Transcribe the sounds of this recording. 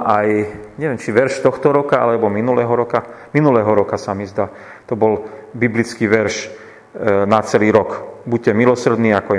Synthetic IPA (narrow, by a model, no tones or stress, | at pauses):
ajɲɛʋjɛmt͡ʃiʋɛɾʃt̪ɔxt̪ɔɾɔkaa̰lɛbɔminulɛːɦɔɾɔkaminulɛːɦɔɾɔkasamizd̪aː | t̪ɔbɔlbiblit͡skiːʋɛɾʃ | nat͡sɛliːɾɔkbuc̚cɛmilɔsr̩d̪niːakɔɛ